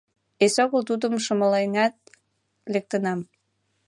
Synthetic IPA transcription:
esoɣəlt̪ud̪ə̆mʃə̆məlejnæt̪̚ | lek̚t̪ənɑm

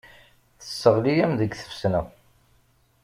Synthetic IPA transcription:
θə̥sːəʁlijæmðəɡθə̥fsnæ

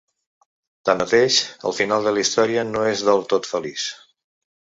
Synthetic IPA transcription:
t̪anət̪eʃə̰lˠfinalˠd̪əlist̪ɔɾiənoezðəlˠt̪ot̪fəlis

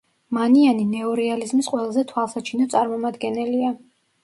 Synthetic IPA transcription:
manianinɛɔɾɛalizmisqʼwɛlˠazɛt̪ʰwalˠsat͡ʃʰinɔt̪sʼaɾmɔmad̪ɡɛnɛlia

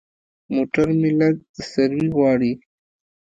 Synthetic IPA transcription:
moːʈaɾmɪlak̚d̪əsaɾwiwɑːɽi

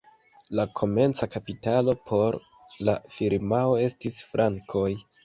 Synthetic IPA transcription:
lakʰo̞me̞nt͡sakapitalo̞pʰo̞ɾ | lafiɾmao̞e̞stisfɾʔaŋkʰo̞j

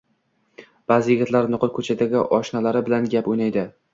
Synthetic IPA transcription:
b̥aːzɪjɪɡʲɪt̪laɾnʊqʰɨlˠkʰɵt͡ʃʰad̪aɡʲɪʔɒʃnalaɾɪbɪlanɡʲapojnajd̪ɪ

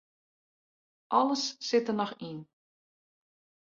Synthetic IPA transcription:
ʔɑləsːɪtənɔxin

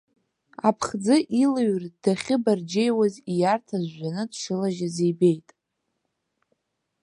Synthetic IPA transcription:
apʰχd͡zɨʔilɨɥrd̥aχʲɪbard͡ʒejwazijartʰazʷːanɨdʂɨlaʒazejbe̞jtʼ

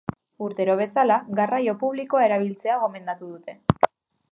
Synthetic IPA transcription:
uɾt̪e̞ɾo̞β̞e̞salaɣarajo̞puβ̞liko̞ae̞ɾaβ̞ilt͡se̞aɣ̞o̞me̞nd̪at̪uð̞ut̪e̞

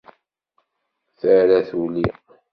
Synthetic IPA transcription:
θəɾæθuli

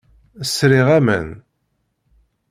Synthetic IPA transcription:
əsɾiʁæmə̰n

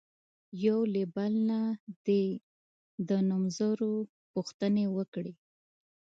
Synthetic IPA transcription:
jawlebalnad̪e | d̪ənumzaɾo | puxt̪ənewəkɽe

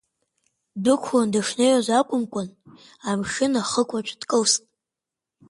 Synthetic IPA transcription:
dɨkʷʰwandaʂnejazʷakʷʼʊmkʷʼʊn | amʂɨnaχəkʷʼat͡ʃʷʰʼdkʼəwstʼ

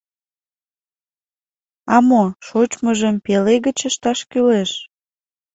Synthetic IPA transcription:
ɑmoʃot͡ɕməʒəmpeleɣət͡ɕəʃt̪ɑʃkyleʃ

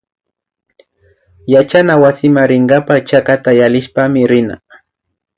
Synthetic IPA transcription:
jat͡ʃanawasɪmaɾɪŋɡapat͡ʃakat̪ajalɪʃpamɪɾɪna̰

